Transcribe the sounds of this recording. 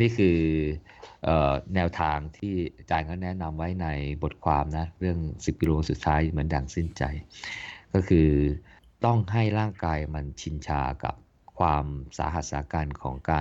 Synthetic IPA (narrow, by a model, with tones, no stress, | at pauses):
niː˥˩kʰɯː˧ | ʔəː˨˩nɛː˧wt̪ʰaː˧ŋt̪ʰiː˥˩t͡ɕaː˨˧˩jka˧˥˩nɛ˦˥na˧mwa˦˥jna˧jbo˨˩t̪̚kʰwaː˧mna˦˥ɾɯ˥˩əŋsi˨˩p̚kiː˧loː˧su˨˩t̪ʰːaː˦˥jmɯ˩˦əndjaː˨˩ŋsi˥˩nt͡ɕa̰˧˩jkɔː˥˩kʰɯː˧ | t̪ɔ˥˩ŋɦa˥˩jɾaː˥˩ŋkaː˧jma˧nt͡ɕʰi˧nt͡ɕʰaː˧ka̰˨˩p̚ | kʰwaː˧msa̰ː˩˦ɦa˨˩t̪̚saː˩˦kaː˧nkʰɔ̰ː˩˦ŋkaː˧